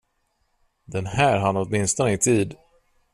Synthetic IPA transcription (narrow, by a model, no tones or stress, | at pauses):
d̪ɛnhæːɾɦanːɔt̪mɪnst̪ɔnəɪt̪ʰiːd̪